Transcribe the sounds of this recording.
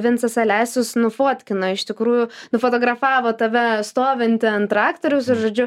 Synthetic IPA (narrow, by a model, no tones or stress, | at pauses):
ʋʲɪnsɐsɐlʲæːsʲʊsnʊfoɔt̪ʲkʲɪnɐɪʃt̪ʲɪkɾuːjʊnʊfoːt̪oːɡɾɐfɑːʋoːt̪ɐʋʲɛst̪oːʋʲɪnʲt̪ʲɪɐnt̪ɾɑːkt̪oːɾʲʊsɪʒoːd͡ʒʲʊ